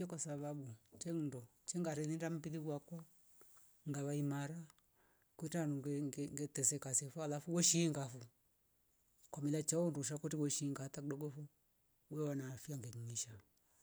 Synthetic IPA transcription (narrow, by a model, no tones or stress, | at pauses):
ɛkwasaβaɓut͡ʃɛn̩ndɔ | t͡ʃɛŋɡaɾɛðindam̩piðiɡwakwa | ŋɡaβaimaɾa | kutanuŋŋɡɛtɛsɛkasɛfɔalafuwɔʃiːŋɡafu | kwamilat͡ʃaɔnduʃ̬akutiwɔʃiŋɡatakudɔɡɔfu | wɛwanaːfiaŋɡɛɲiɲiʃa